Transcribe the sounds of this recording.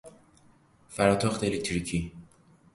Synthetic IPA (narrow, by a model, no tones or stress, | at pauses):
fæɾɒːt̪ʰoxt̪eelek̚t̪ɾikʰi